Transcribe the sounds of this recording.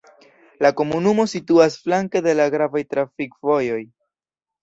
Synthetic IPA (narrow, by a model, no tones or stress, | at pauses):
lako̞munumo̞situasflaŋke̞de̞laɡɾavajtɾafikvo̞jo̞j